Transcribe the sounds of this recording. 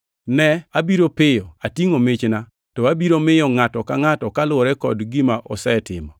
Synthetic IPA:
nɛabiɾopɪjɔatjiŋomɪt͡ʃna | tɔabiɾomɪjɔŋatɔkaŋatɔkalʊɾɛkɔ̰dɡɪmaʔɔ̰sɛtɪ̰mɔ

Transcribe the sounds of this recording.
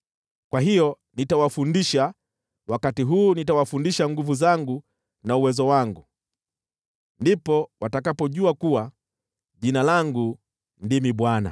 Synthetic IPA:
kwaɦijɔ | nitawafundiʃa | wakatiɦuːnitawafundiʃaŋɡuvuzaŋɡu | nauwɛzɔwaŋɡu | ndipɔwatakapɔʄuakuwa | ʄinalaŋɡu | ndimiɓwana̰

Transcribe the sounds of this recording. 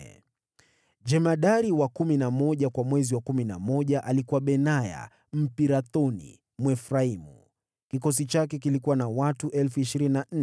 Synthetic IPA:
d͡ʒɛmaɗaɾiwakuminamɔʄakwamwɛziwakumina̰mɔʄaʔalikuwaɓɛnaja̰ | m̩piɾaθɔnḭ | mwɛfɾaimu | kikɔs̬it͡ʃak̬ɛk̬ilikuwanawatuʔɛlfuiʃiɾininan̩

